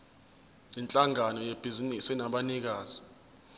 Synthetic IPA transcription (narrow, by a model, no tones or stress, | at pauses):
jint͡ɬʼaŋanɔjeb̥ʱizinisinaɓanik̬aːzi